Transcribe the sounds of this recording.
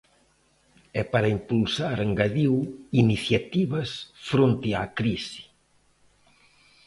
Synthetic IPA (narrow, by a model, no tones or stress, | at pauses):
ɛpaɾɐimpulsaɾeŋɡaðiwiniθjat̪iβɐsfɾont̪ɪakɾisi̥